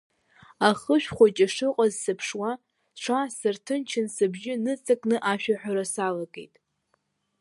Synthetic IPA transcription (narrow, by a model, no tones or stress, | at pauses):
aχəʃᶣχʷat͡ʃʼaʂɨqʼazsɨpʰʂwa | ʈ͡ʂʷʰasɨrtʰɨnt͡ʃʰɪnsɨbʒɪnɨt͡sʼakʼnɨʔaʃᶣaħᶣaɾasalaɡʼḛjtʼ